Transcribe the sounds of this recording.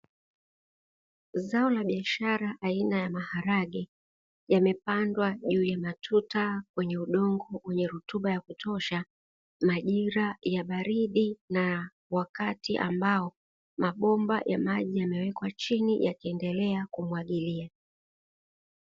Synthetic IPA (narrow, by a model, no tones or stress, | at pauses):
zaɔlaɓiaʃaɾaʔainajamahaɾaɠi | jamɛpandwaʄuːjamatʰutakwɛɲɛuɗɔŋɡɔwɛɲɛɾutuɓajakutʰɔʃa | maʄiɾajaɓaɾiɗina | wakatiʔa̰mbaɔ | maɓɔmba̰jʔa̰maʄijamɛwɛkwat͡ʃinijakiɛndɛlɛakumuaɠilia